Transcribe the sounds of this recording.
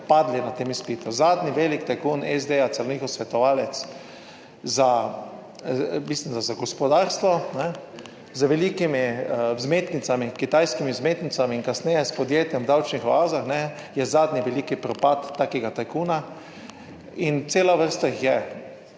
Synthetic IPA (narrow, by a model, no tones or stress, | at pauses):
pad̪linat̪eːmispiːt̪uzaːd̪niʋeːlikt̪akuːnɛzd̪eat̪sɛlɔniːxɔsʋɛt̪ɔʋaːlɛt̪s | za | bisind̪azaɡɔspɔd̪aːɾst̪ʋɔnɛ | zəʋɛliːkimizmeːt̪nit̪samikit̪ajskimizmeːt̪nit̪samiːnkasnɛjɛspɔd̪jeːt̪jɛmwd̪awt͡ʃnixʋaːzaxnɛjɛzaːd̪niʋɛliːkipɾɔpat̪ːaːkɛɡat̪ajkuna | int̪seːlaʋəɾst̪aixjɛ